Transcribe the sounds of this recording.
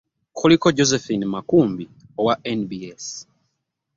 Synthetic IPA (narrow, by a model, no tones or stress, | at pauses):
xulikoɟozefinimakuːmbi | owaʔenbies